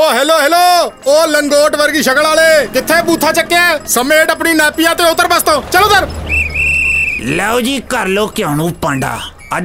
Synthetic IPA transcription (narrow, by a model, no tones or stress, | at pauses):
oːɦɛːloːɦɛːloːoːləŋɡoːʈʋəɾɡiːʃəkəlaːleːkɪt̪ʰːeːbuːt̪ʰːaːt͡ʃəkːeasəmeːʈəp̬ɳiːnaːpɪjãːt̪eːʊt̪ːəɾbəst̪õːt͡ʃəloːd̪əɾ | lɛːoːd͡ʒiːkəɾloːkɪõːnũːpə̃ːɳɖa̰ː | ə